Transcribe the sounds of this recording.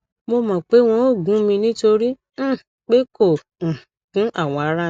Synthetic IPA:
mo˧mã˨k͡pe˨˦w̃ɔ̃˧o˦˨ɡũ˨˦mĩ˧nĩ˦to˧ɾĩ˦˨ | k͡pe˦kõ˦˨ | kũ˨˦ʔa˦˨w̃ɔ̃˧a˧ɾa˦

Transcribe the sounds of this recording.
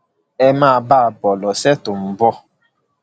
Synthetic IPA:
ɛ˦maː˦˨baː˦˨bɔ˨lɔ˨sɛ˦tu˨m̩˨bɔ˦

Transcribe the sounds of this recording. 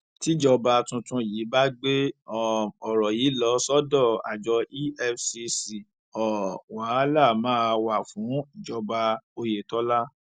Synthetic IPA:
ti˦d͡ʒɔ˧ba˧tũ˧tũ˧jiː˨˦ba˦ɡ͡be˦ɔ˨ɔ˨ɾɔ˨jiː˨˦lɔ˧˦sɔ˦dɔ˦˨a̰˨d͡ʒɔ˧i˦ɛ˧fsi˧si˨ | ɔ˨wa˨˦la˦˨mãː˦˧wa˨fũ˨˦i˨d͡ʒɔ˧ba˧o˧je˨tɔ˨˦la˦

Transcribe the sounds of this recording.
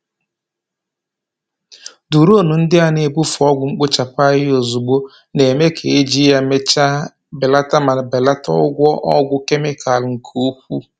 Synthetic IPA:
du˨ɾo˦nu˨n̩˦dɪ˦a˨ne˨˦bu˦fɔ˦ɡʷʊ˨ŋ͡m̩˦k͡pʊ˦t͡ʃa˨pa˦ɣɪ˦o˨zu˨ɡ͡bo˦ | ne˨me˦kʰe˨e˦d͡ʒi˦ja˦me˦a˦ | be˨la˦ta˦ma˨n˨be˨la˦tɔ̰˦ɡʷɔ˦ʔɔ˦ɡʷʊ˦ke˦me˦kʰa˨lŋ̩˨kʰo˦kʷu˦

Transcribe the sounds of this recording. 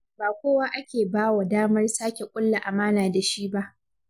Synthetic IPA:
baː˨kʷoː˦waː˦ʔa˦kʲeː˨baː˦wa˨daː˦mɐ˦rsaː˦kʲe˨kʷʼʊ˦lːa˨ʔa˨maː˦naː˨da˨ʃi˦ba˦ʔ

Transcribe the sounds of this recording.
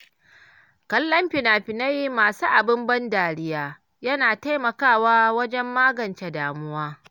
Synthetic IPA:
kɐ˦lːɐ˦mɸɪ˨naː˨ɸɪ˨na˦ji˦maː˨suː˦ʔa˨bɪ˦mbɐ˦ndaː˨ɽɪ˦jaː˦ | jɐ˦naː˨ta˦jmɐ˨kaː˦˨waː˦wɐ˦d͡ʒɛ˦mːaː˦ɡɐ˨nt͡ʃe˨daː˨mʊ˦waː˦

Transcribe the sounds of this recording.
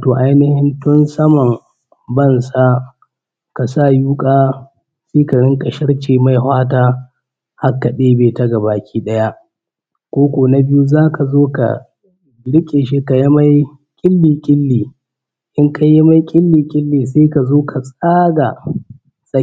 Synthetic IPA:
toː˨ʔa˦jnɪ˦hɪ˦ntʊ˦nsɐ˦mɐ˨ŋ | bɐ˦˨nsa˦ | ka˨sa˦˨juː˦kʼaː˦ | seː˦ka˨ɽɪ˦ŋkʼɐ˨ʃɪ˦ɽt͡ʃeː˨ma˦˨jɦwaː˦taː˦ | ha˦kːa˨ɗeː˦beː˨tɐ˦ɡa˨baː˨kʲiː˦ɗɐ˦ja˦ʔ | kʷoː˦kʷoː˨na˦bɪ˦ju˦zaː˦kʰa˨zoː˦ka̰˨ | ɽɪ˦kʲʼeː˨ʃi˦ka˨ja˦ma˦j | kʲʼɪ˦lːiː˨kʲʼɪ˦lːiː˨ | ʔɪ˦ŋkʰa˦jɪ˦ma˦jkʲʼɪ˦lːiː˨kʲʼɪ˦lːiː˨s̬eː˦ka˨zoː˦kʰa˨sʼaː˦ɡa˨ | sʼɐ˦

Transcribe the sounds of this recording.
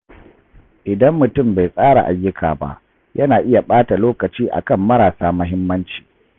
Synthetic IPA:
ʔɪ˨dɐ˦mːʊ˨tʊ˦˨mba˨jsʼaː˦ɽa̰˨ʔa˨jːʊ˦kʰa̰ː˨ba̰˦ʔ | jɐ˦naː˨ʔɪ˦ja˨ɓaː˦ta˨loː˦kɐ˨t͡ʃiː˦ʔa̰˨kɐ˦˨mːɐ˦ɾaː˨saː˦mɐ˦ɦɪ˦mːɐ˦nt͡ʃi̥ː˨

